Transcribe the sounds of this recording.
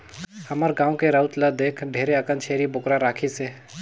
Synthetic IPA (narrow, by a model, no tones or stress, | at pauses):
həməɾɡãːõkeɾəʊt̪ləd̪eːkʰɖʱeːɾeəkə̃nʃʰeːɾibʊkɾaɾaːkʰiseː